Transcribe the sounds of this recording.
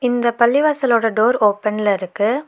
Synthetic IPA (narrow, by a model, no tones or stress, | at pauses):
ɪnd̪ɐpɐlːɪʋaːsɐloːɽɐɖoːɾoːpːɛnɪlɐɪɾɯkːɯ